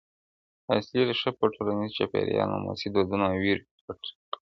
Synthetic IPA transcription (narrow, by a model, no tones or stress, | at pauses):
asliɾʃəpəʈʰolanizt͡ʃapḛɾjɑ̰na̰ma̰sid̪od̪unawiɾ | aʈ